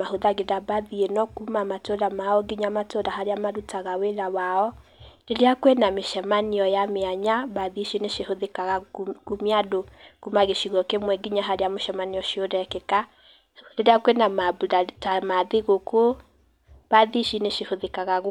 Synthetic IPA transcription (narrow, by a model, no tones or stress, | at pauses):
ahoðaɣedabaðienɔkumamatoɾamaɔɡiɲamatodaɦaɾeamaɾutaɣaweɾawaɔdeɾeakwenameʃɛmaniɔjameaɲabaðiʃineʃehoðekaɣakumiadokumaɣeʃiɣɔkemwɛɡiɲaɦaɾeamoʃɛmaniɔʃiodɛkeka | deɾeakwenamabatamaðeɣokʰo | b̥aðiʃineʃehoðekaɣaɣ